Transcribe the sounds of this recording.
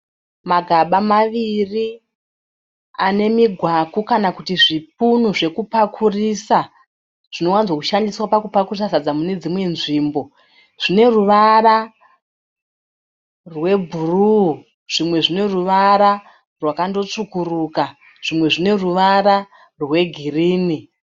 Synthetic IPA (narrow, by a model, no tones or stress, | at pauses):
maɡʱaɓamaʋiri | ane̞miɡʱwakukanakutiʐip̚unuʐe̞kupakʰurisa | ʐ̥ino̞wanzwakuʃandiswapakupakurisazad͡zamune̞d͡zimwe̞nʐiːmbo̞ | ʐ̥ine̞ruʋara | rwe̞bʱuru | ʐ̥imwe̞ʐine̞ruʋaɾa | rwakando̞t͡ʂukuruːka | ʐ̥imwe̞ʐine̞ruʋaɾa | rwe̞ɡʱiriːni